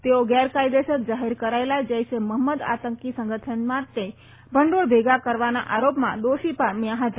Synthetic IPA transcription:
t̪eoɡɛɾkajd̪eʃək̪̚d͡ʒaɦiɾkəɾaelad͡ʒəjseməɦməd̪a̰t̪əŋkisə̃ŋɡət̪ʰənmãt̪ːe | bʱəɳɖoɭbʱeɡakəɾʋana̰ʔaɾopmã̰d̪oʃipəmjaɦət̪

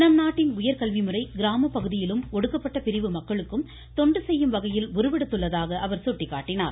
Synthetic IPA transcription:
nɐmnaːʈːɪnʊjɐɾkɐɭʋɪmɯrɐɪɡɪɾaːmɐpːɐɣɯðɪjɪlɯmɔɽɯkːɐpːɐʈːɐpɪɾɪʋɯmɐkːɐɭɯkːɯm | t̪ɔɳɖɯsɛjːɯmʋɐɣɐjɪlʋʊɾɯʋɛɽɯt̪ːɯɭːɐðaːɣɐʔɐʋɐɾsuʈːɪkːaːʈːɪna̰ːɾ

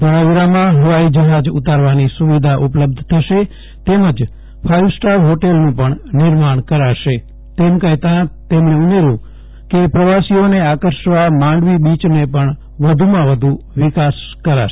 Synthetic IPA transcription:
bəɽaʋiɾamãɦəʋaid͡ʒəɦad͡ʒut̪aɾʋanisuʋid̪ʱaʔupləb̚d̪ʱt̪ʰəʃe | t̪eməd͡ʒ | pʰajʋsʈaʋɦoʈelnũpəɳnɪɾmaɳ̃kəɾaʃe | t̪emkəɦt̪ãt̪emɳeumeɾjũ | kepɾəʋasioneakəɾʃʋamãɳɖʋibit͡ʃnepəɳ | ʋəd̪ʱumãʋəd̪ʱu | ʋɪkaskəɾa̰ʃ

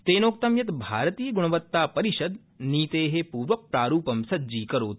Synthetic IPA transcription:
t̪eːnoːk̚t̪ɐmjɐt̪bʱaːɾɐt̪iːjɡuɳ̃ɐʋɐt̪ːaːpɐɾiʃɐd̪ | niːt̪eːɦepuːɾʋɐk̚pɾaːɾuːpɐmsɐdd͡ʒiːkɐɾoːt̪

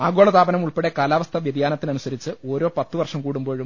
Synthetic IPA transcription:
aːɡo̞ːɭɐt̪aːbɐnɐmuɭpeɽekaːlaːʋɐst̪ʰɐʋjɐd̪jaːnɐt̪ːinɐnusɐɾit͡ɕːɨo̞ːɾo̞ːpɐt̪ːɨʋɐrʂɐmkuːɽumbo̞ːɻum

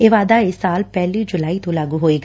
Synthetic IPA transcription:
eːʋaːd̪aːɪsːaːlpɛːlĩːd͡ʒʊlaːiːt̪õːlaːɡuːɦoːeːɡ

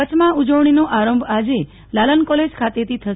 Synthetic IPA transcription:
ət͡ʃʰmãud͡ʒəʋɳ̃inoʔaɾəmbʱad͡ʒe | lalənkɔled͡ʒkʰat̪et̪it̪ʰəʃ

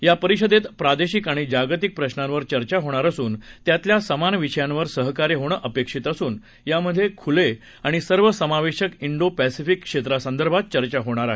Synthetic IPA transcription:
japəɾiɕəd̪et̪pɾad̪eɕikaɽ̃id͡ʑaɡt̪ik̚pɾəɕnãnʋəɾt͡ɕəɾt͡ɕaɦoɽ̃aɾəsuːnt̪jat̪ljasəmanʋiɕəjãnʋəɾsəɦkaɾjeɦoɽəʔəpekʂiːt̪əsuːn | jaməd̪ʱːjekʰule | aɽ̃isəɾʋəsəmaʋeɕəkiɳɖopæsifikːʂet̪ɾasənd̪əɾbʱat̪̚t͡ɕəɾt͡ɕaɦoɽ̃aɾaɦe

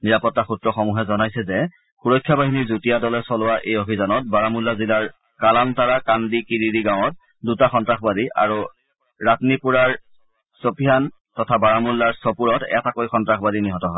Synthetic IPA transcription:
niɹapɔtːaxutɹɔxɔmuɦɛzɔnajsɛzɛ | xuɹɔjkʰːjabaɦiniɹzutijadɔlɛsɔlowaʔejobʱizanɔt̚baɹamulːazilaɹ | kalantaɹakandikiɹidiɡaw̃ɔt̚ | dutaxɔntɹaxbadiʔa̰ɹu | ɹatnipuɹaɹ | sopʰijan | tɔtʰabaɹamulːaɹsɔpuɹɔtɛ̰takojxɔntɹaxbadiniɦɔtɔɦɔ

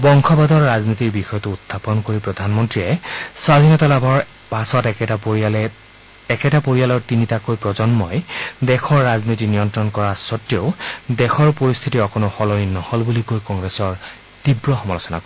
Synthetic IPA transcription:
bɔŋxʰɔbad̪ɔɹːaznitiɹbixɔjɔtʊutʰːapɔnkoɹipɹɔd̪ʱanmɔntɹiɛswad̪ʱinɔtalabʱɔɹ | pasɔtɛɛalɛ | ɛkɛtapoɹijalɔɹtinitakojpɹɔzɔnmɔjdɛxʰɔɹːaznitinijɔntɹɔnkɔɹasɔtːioʊdɛxʰɔɹpoɹist̪ʰitiɔkonoxɔlɔinnːɔhɔlbulikojkɔŋɡɹɛsɔɹ | tibɹɔxɔmɔlɔsɔna̰kɔ

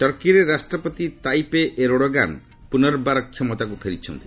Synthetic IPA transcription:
ʈɔɾkiɾeɾasʈɾɔpɔt̪it̪ajpeʔeɾoɽoɡa̰n | punɔɾbaɾɔkʰːjɔmɔt̪akupʰeɾit͡ʃʰɔ̰nt̪i

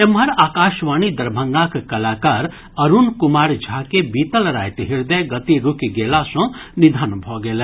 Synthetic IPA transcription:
emɦɐɾaːkaːʃʋaːnid̪ɐɾbʱəŋɡakkɐlaːkaːɾ | əɾunkumaːɾd͡ʒʱakebit̪əlɾa̰jt̪ɦiɾd̪əjɡət̪iɾukiɡelasɔ̃nid̪ʱanbʱɔɡelə

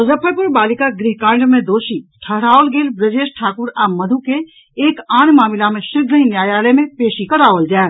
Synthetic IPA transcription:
zəpʰəjpʊɾbaːlɪkaɡɾiɦkãːɳɖmẽd̪oːʃiʈʰəɦɾaːolɡeːlbɾəd͡ʒeːʃʈʰaːkʊɾaːmːɐd̪ʱuke | eːkaːnmaːmɪlamẽʃɪɾɡ̪əɦĩnjaːjaːlemẽpeːʃikəɾaːʋəld͡ʒaː

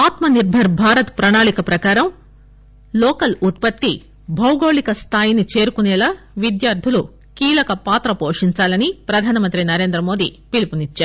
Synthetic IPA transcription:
aːt̪mɐniɾbʱɐɾbʱaːɾɐt̪pɾɐɳaːɭikɐpɾɐkaːɾɐm | lɔːkɐlut̪̚pɐt̪ːi | bʱɐwɡoːɭikɐst̪ʰaːjinit͡ʃe̞ːɾukunɛːla | ʋid̪jaːɾd̪ʱulu | kiːlɐkɐpaːt̪ɾɐpoːʂiɲt͡ʃaːlɐnipɾɐd̪ʱaːnɐmɐnt̪ɾinɐɾe̞ːnd̪ɾɐmo̞ːd̪ḭpilipunit͡ʃːaːɾu

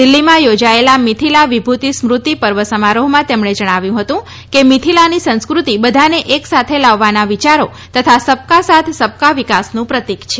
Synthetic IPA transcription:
d̪ilːimãjod͡ʒaelamit̪ʰilaʋibʱut̪ismɾut̪ipəɾʋəsəmaɾoɦmãt̪emɳed͡ʒəɽ̃aʋjũɦət̪ũ | kemit̪ʰilanisə̃nskɾut̪ibəd̪ʱaneʔeksat̪ʰelaʋːanaʋit͡ʃaɾo | t̪ət̪ʰasəp̚kasat̪ʰsəp̚kaʋikasnũpɾət̪ikt͡ʃʰe

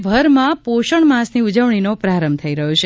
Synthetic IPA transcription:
bʱəɾmãpoʃəɳmãsniud͡ʒəʋɳ̃inopɾaɾəmbt̪ʰəiɾəɦot͡ʃʰe

